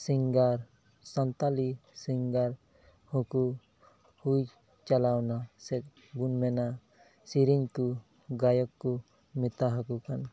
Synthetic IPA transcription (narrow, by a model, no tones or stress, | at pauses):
siŋɡaɾ | sant̪alisiŋɡaɾ | hũku | huj | t͡ʃalawnasɛt̪̚ | bunmɛna | siɾiɲt̪u | ɡajɔkːu | mit̪aɦakukan